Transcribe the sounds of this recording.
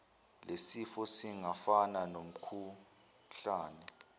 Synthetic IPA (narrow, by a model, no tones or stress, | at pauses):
lesifɔsiŋafananom̩kʰu | ɬaːnɛ